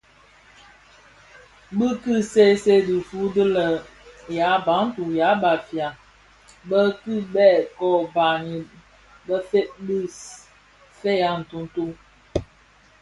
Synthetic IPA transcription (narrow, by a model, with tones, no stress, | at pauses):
bɨ˦kɨ˦se˦se˦di˨fu˨˦də˦lə˨ | ja˨˦ba˨˦n̩˦tu˨ja˨˦ba˨fja˨ | bə˦kɨ˦bɛ˦˨kɔ˦ba˨ɲi˨ | bə˦fe˦ʔ̚bi˦˨s | fe˦ja˦n̩˨tu˦n̩˦tu˦